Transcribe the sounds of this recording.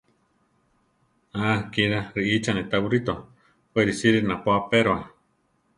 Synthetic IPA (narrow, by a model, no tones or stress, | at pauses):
akiɾaɾiʔit͡ʃanẽt̪aβuɾit̪o | peɾisiɾinãpoapeɾoa